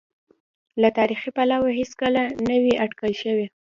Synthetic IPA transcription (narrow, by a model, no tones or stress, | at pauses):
lat̪ɑɾixipalawaɦeskəlanəwiaʈkəlʃəwi